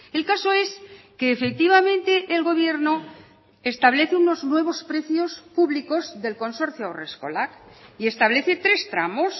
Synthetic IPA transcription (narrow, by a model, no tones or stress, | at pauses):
e̞lkaso̞e̞s | keːfe̞k̚t̪iβ̞amẽnt̪e̞ʔːlɣo̞β̞je̞ɾno̞ | est̪aβ̞leθeuno̞znwe̞β̞o̞spɾe̞θjo̞spuβliko̞zðe̞lko̞nso̞ɾθjoaoresko̞̰lakie̞st̪aβle̞θe̞t̪ɾe̞st̪ɾamo̞s